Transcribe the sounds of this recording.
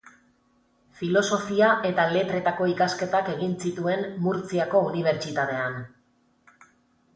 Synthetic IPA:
filo̞so̞fiaʔe̞t̪ale̞t̪ɾe̞t̪ako̞ikaske̞t̪ake̞ɣinsit̪ue̞nmuɾt͡siako̞uniβ̞e̞ɾt͡ʃit̪at̪e̞an

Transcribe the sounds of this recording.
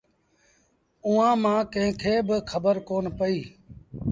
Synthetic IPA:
uːãːmãːkə̃ɦɪ̃kʰeːbəkʰəbəɾkoːnpəiː

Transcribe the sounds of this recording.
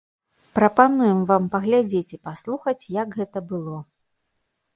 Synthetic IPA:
pɾɐpanujɛmvampɐɣlʲad͡zʲet͡sʲipaslˠuxɐt͡sʲjɐkɣɛt̪ɐbɨlˠɔ

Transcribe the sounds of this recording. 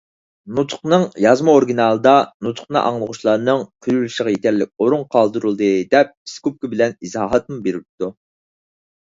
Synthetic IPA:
nut̪ʰʊ̥qnɨŋjɑzmɑoɾɡʲinɑlˠɨd̪ɑnut̪ʰʊ̥χnɨ̰ʔɑ̰ŋlˠəʁʊʃlˠɑɾnɨŋqʰylylyʃəʁɑjet̪ʰɛɾlɪk̚ʲoɾuŋqʰɑlˠd̪uɾulˠd̪ɨd̪ɛp̚pi̥skup̚kʊbɪlɛnizɑːɦɑt̪̚mubeɾɪp̚t̪ʰːu

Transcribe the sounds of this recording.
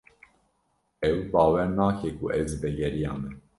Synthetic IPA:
ɛwbɑːwɛɾnɑːkʰɛkuʔɛwzɨbɛɡɛɾijɑːmɨ

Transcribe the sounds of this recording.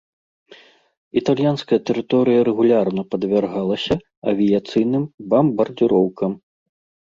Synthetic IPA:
it̪alʲjanskɐjɐt̪ɛɾɨt̪ɔɾɨjɐɾɛɣulʲarnɐpɐd̪vʲarɣalˠɐsʲɐ | ɐvʲijat̪sɨjnɨmbɐmbɐrd͡zʲiɾɔwkɐm

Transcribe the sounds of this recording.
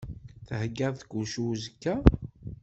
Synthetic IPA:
θəhəɡːæðˤθkːuʃuzəkːæ

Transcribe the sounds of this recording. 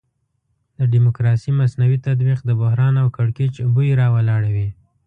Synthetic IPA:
d̪əɖimʊkɾɑsimasnawit̪ad̪biqd̪əbʊhɾɑnawkaɽket͡ʃbujɾɑwalɑɽawi

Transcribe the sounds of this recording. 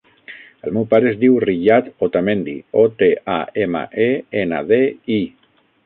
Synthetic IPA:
əlmewpaɾəezd̪iwriʎat̪ot̪amẽnd̪ḭɔt̪eʔaemə̰ʔeenə̰ðei

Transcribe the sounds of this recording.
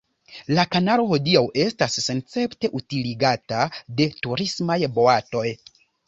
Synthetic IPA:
lakanaɾo̞ho̞diawʔe̞stasːe̞nt͡se̞pte̞ʔutiliɡatade̞tuɾismajbo̞ato̞j

